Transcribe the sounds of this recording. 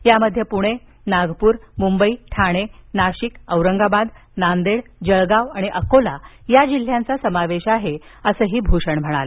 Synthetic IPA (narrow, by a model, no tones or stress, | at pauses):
jaməd̪ʱːjəpuɽ̃e | naɡpuːɾmumbəiːʈʰaɽ̃enaɕikəʋɾəŋɡabad̪ | nand̪eɽd͡ʑəɭɡaʋaɽ̃iʔəkolajad͡ʑil̤ːjãnt͡sasəmaʋeɕaɦeəsəːɦiːbʱuɕəɳm̤əɽ̃ale